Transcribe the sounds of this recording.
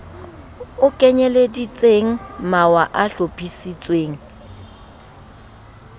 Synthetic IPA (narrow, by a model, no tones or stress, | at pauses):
ʊkʼɛɲɛledit͡sʼeŋ̩mawaʔaɬopʰʼisit͡sʼweːŋ̩